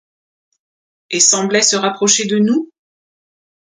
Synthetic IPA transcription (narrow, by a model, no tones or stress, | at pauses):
esɑ̃blɛsəʁapχɔʃed̪ənu